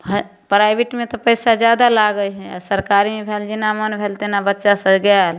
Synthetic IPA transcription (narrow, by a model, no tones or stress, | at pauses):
ɦ | pɾaɪbiʈmet̪ɔpəɪsad͡ʒjad̪alaɡəjɦɛasəɾkaɾimebʱeld͡ʒinamənbʱelt̪enabətːʃasə̃ɡal